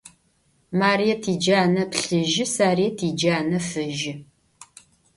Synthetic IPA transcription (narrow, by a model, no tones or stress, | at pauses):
maːrijɛtʰiːd͡ʒaːnɐpɬɨʒɪsaːrijɐtʰiːd͡ʒaːnɐfɨʒɪ